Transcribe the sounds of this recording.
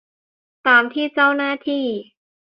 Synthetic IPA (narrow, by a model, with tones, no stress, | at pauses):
t̪aː˨˧mt̪ʰiː˥˩t͡ɕa˥˩wnaː˥˩t̪ʰiː˥˩